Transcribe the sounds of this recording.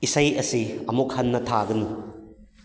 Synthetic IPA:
isɐjɐsiɐmuk̚hɐnːɐtʰaɡɐnu

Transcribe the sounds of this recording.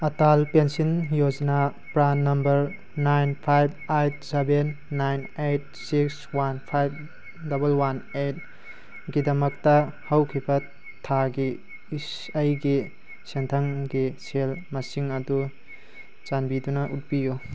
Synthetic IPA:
ɐtalpensinjod͡ʒna | pɾanɐmbɐɾ | najnpʰajb̚ajb̚sebenː | ajnet̚siks | wanpʰajb̚ | dɐbɐlwanejt̚ | ɡidɐmɐk̚tɐhɐwkʰibɐ | tʰaɡi | s | ɐjɡi | sentʰɐŋɡiselmɐsiŋɐdu | t͡ʃanbidunɐʔut̚biju

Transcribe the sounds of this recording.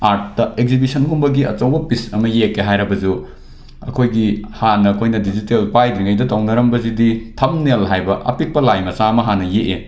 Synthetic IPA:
aɾt̚dɐekzibisɐnɡumbɐɡiɐ̰t͡ʃɐwbɐpisɐmɐjekːeɦajɾɐbɐzu | ɐ̰kʰojɡihanɐɐkʰojnɐdid͡ʒitelpajdiŋɐjdɐtownɐɾɐmbɐziditʰɐmnelɦajbɐʔɐ̰pik̚pɐlajmɐsaɐmɐɦanɐjeʔe

